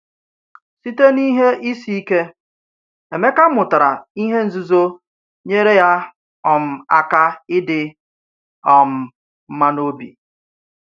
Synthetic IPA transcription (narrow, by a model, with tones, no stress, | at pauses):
si˦te˦ni˦ɦe˦ʔi˦si˦i˦ke˦ | e˨me˦ka˦mʊ˨ta˨ɾa˨i˦ɦe˦n̩˨zu˦zo˦ | ɲe˦ɾe˦ja˦ | ɔ˨m̩˨a˦ka˦ɪ˦dɪ˨ | ɔ˨m̩˨ | m̩˦ma˦no˦bḭ˨